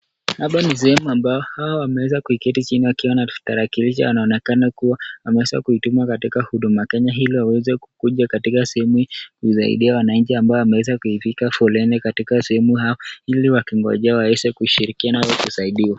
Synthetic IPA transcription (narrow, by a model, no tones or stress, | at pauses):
haɓanis̬ɛhɛmuambaɔhawɔwamɛwɛzakuikɛtit͡ʃiniwakiwanataɾakiliʃ̬a̰wanaɔnɛkanakuwawamɛwɛza̰kuitumakatikahuɗumakɛɲaɦiliwawɛzɛkukuʄakatikasɛɛmukusa̰ḭɗiawanaɲt͡ʃiambaɔwamɛwɛzakuifikafɔlɛnɛkatikasɛhɛmuhahiliwakiŋɡɔ̰ʄawawɛsɛkuiʃiɾikianaɔkusaiɗiwa